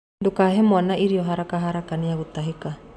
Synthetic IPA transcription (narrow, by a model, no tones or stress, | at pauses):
ndokaɦɛmwanaiɾiɔɦaɾakaɦaɾakaniaɣot̪aɦeka